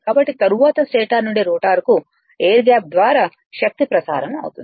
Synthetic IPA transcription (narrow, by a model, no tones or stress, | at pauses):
kaːbɐʈːit̪ɐɾuʋaːt̪ɐsʈeːʈaːɾnuɳɖiɾoːʈaːɾku | eːɾɡaːp̚d̪ʋaːɾaː | ʃɐk̚t̪ipɾɐsa̰ːɾɐmɐ̰wut̪ṵnd̪i